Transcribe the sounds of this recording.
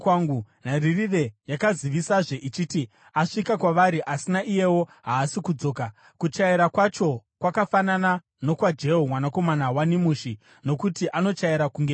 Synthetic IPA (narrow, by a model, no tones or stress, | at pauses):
aŋɡunaririre̞jakaziʋisaʐeʔit͡ʃiti | aʂikakwaʋaɾiʔasinaʔije̞wo̞ɦaːsikud͡zo̞ːka | kut͡ʃaiɾakwat͡ʃo̞kwakafanana | no̞kwad͡ʒe̞ɦomwanako̞manawanimuːʃi | no̞kutiʔano̞t͡ʃaiɾakuŋɡe